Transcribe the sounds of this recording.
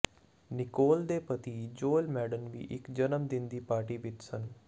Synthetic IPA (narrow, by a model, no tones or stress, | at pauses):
nɪkoːld̪eːpət̪iːd͡ʒoːlmɛːɖənʋḭːʔɪkd͡ʒənəmd̪ɪnd̪iːpaːɾʈiːʋɪt̪sən